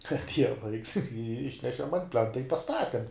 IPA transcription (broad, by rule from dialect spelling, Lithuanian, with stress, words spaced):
ɐtʲˈiɛjɛ ˈlˠɐɪks ɪr ˈɪʃʲnʲɛʃʲɛm ɐnt ˈpʲlʲɛntɐ ɪ pɐˈstɑːtʲɛm